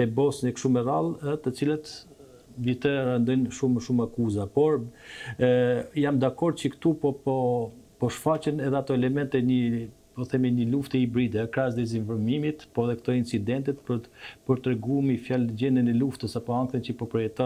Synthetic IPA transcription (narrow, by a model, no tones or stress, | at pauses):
ɛbɔsnɛkʃumɛralˠɛt̪ət͡silət̪ | vit̪ɛɾand̪ɔjnʃuməʃumakuzapɔɾ | jamd̪akɔɾd̪̚t͡ʃəkt̪upɔɔpɔʃfat͡ɕənɛðɛat̪ɔɛlɛmɛnt̪ɛɲə | pɔθɛminəluft̪ɛibɾid̪ɛkɾas̬d̪ɛz̬infɔɾmimit̪pɔðɛkt̪ɔint͡sid̪ɛnt̪it̪pəpəɾt̪ɾɛɡumifjald͡ʑɛnd̪ənɛluft̪əsapɔaŋkθənt͡ʃəpɔpɾɔjɛt̪ɔn